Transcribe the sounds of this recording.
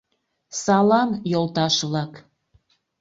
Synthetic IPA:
sɑlɑnjolˠt̪ɑʃβlɑk

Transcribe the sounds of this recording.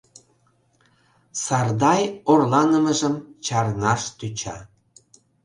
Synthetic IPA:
sɑrd̪ɑjorlɑnəməʒəmt͡ɕɑrnɑʃt̪yt͡ɕɑ̰

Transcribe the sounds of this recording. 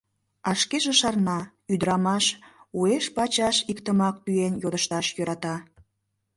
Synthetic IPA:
ɑʃkeʒeʃɑrnɑ | yd̪əɾɑmɑʃueʃpɑt͡ɕɑʃikt̪əmɑk̚t̪yenjod̪əʃt̪ɑʃjøɾɑt̪ɑ

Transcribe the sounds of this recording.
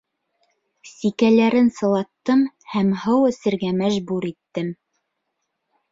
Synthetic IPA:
sikælæɾɘnsɤ̆lˠɑt̪ːɤm | hæmhɤwɵ̆sɘ̆ɾɡæmæʒbuɾit̪ːɘm

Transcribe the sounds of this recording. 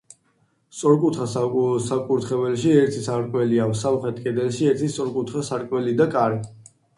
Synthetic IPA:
st̪sʼɔɾkʼut̪ʰχassakʼuɾt̪ʰχɛvɛlʃiɛɾt̪ʰisaɾkʼwɛliavsamχɛt̪ʰkʼɛd̪ɛlʃiɛɾt̪ʰist̪ʼɔɾkʼut̪ʰχasaɾkʼwɛlid̪akʼaɾi

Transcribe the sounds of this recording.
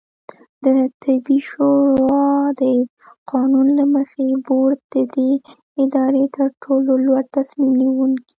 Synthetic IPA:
d̪̥ət̪ʰɪbiʃoɾɑd̪ə | qʰɑnunlaməxeboɾd̪̚d̪̥əd̪e | ɪd̪ɑɾet̪əɾʈʰololwaɽt̪asmimniwuŋki̥

